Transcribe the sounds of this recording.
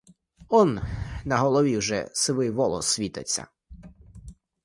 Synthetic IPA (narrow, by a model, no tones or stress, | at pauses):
ɔnnɐɦɔlˠɔʋʲiwʒɛ̰sɪʋɪjʋɔlˠɔ̰sʋʲit̪ɐt͡sʲːɐ̰